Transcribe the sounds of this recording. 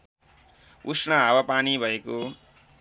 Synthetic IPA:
usnʌɦawapanibʱʌeko

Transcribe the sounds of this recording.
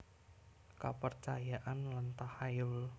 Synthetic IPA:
ka̰pərt͡ʃajaʔanlant̪ahajʊl

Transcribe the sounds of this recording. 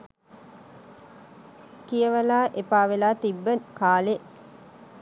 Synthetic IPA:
kijəʋəlaːʔepaːʋelaːt̪ibːəkaːle

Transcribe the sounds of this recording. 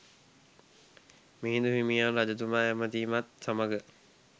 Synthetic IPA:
miɦĩnd̪uɦimijanɾad͡ʒɐt̪̬umaːjæmət̪iːmat̪saməɡə

